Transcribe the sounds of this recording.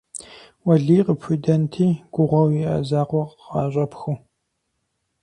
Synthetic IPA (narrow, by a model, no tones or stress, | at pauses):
wɐɮiːqəpʰudɐntʰiːɡ̥ʷʊʁʷɐwiɐ̰zaːqʷɔqqɑːɕʼɐpxu